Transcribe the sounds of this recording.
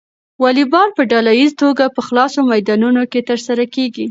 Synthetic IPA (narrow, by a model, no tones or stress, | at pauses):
wɑlibɑlpəɖɑlajizt̪oɡapəxlɑsomajd̪ɑnunoket̪əɾsaɾakeɡi